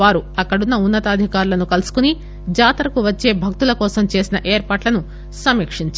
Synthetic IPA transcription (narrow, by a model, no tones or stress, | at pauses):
aːɾuɐkːɐɽunːɐunːɐt̪ɐːd̪ʱikaːɾulɐnukɐlusu̥kuni | d͡ʒaːt̪ɐɾɐkuʋɐt͡ʃːe̞ːbʱɐk̚t̪ulɐkɔːsɐmt͡ʃe̞ːsinɐʔeːɾpaːʈlɐnu | sɐmːikʂiɲt͡ʃ